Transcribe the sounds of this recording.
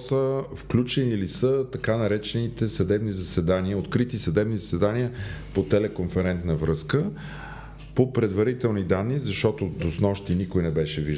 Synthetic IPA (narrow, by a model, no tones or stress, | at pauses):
səfklʲut͡ʃɛnilisət̪ɐkanɐɾɛt͡ʃɛnit̪ɛsɐd̪ɛbnizɐsɛd̪aniəot̪kɾit̪isɐd̪ɛbnizɐsɛd̪aniəpot̪ɛlɛkonfɛɾɛnt̪nəvɾɤskə | popɾɛd̪vɐɾit̪ɛlˠnid̪anːizɐʃt̪ɔt̪od̪osnɔʃt̪inikojnɛbɛʃɛviʒ